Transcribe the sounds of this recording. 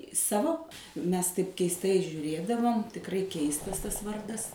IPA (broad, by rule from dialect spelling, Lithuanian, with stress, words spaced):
ˈsɑːʋoː ˈmʲɛs tɐɪp kʲɛɪsˈtɐɪ ʒʲuːˈrʲeːdɐʋoːm tʲɪkˈrɐɪ ˈkʲɛɪstɐs ˈtɐs ˈʋɐrdɐs